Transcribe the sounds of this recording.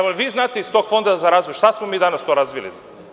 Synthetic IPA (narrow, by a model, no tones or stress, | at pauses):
amolʋiznaːt̪eist̪okfond̪azaɾazvojʃt̪asmomiːd̪anast̪oɾazʋilḭ